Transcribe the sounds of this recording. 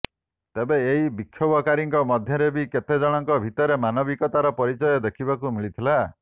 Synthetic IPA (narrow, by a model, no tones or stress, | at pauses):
t̪ebeːɦibikʰːjobɔkaɾiŋkɔmɔd̪ʱjɔɾebiket̪ed͡ʒɔɽ̃ɔŋkɔbʱit̪ɔɾemanɔbikɔt̪aɾɔpɔɾit͡ʃɔjɔd̪ekʰibakumiɭit̪ʰila